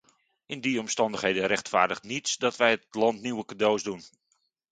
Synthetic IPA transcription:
ɪndiɔmstɑndəχhejdəɾɛxtfa̰ːɹdəχtnitsdɔtʋɛjətlɑntniwəkadowzdun

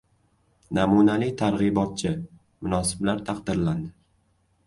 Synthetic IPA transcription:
namunalijt̪ʰaɾʁɨbɒt̪̚t͡ʃʰɪ | mʊnɒsɪ̥blaɾt̪ʰaqd̪ɪɾland̪ɪ

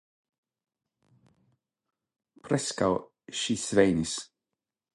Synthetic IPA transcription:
pʰɾɛska̰w | ʃiːsvejnɪs

